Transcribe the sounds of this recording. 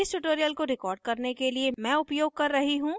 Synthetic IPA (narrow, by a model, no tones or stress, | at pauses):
ɪsʈʊʈoːɾijəlkoɾɪkɔːɾɖ̚kɐɾnekeliemɛ̃ːʊpjoːɡ̚kɐɾːɐɦiɦũː